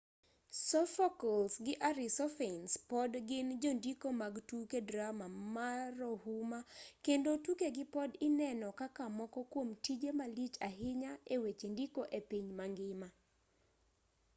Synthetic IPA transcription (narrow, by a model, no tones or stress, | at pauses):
sɔfɔkɔlsɡɪʔaɾɪsɔfenspɔdɡɪnd͡ʒondikomaɡtukedɾamamaɾohumakendotukeɡɪpɔdɪnɛnɔkakamɔkɔkwomtid͡ʒemalit͡ʃaɦɪɲaewet͡ʃendikoʔepiɲmaŋɡɪma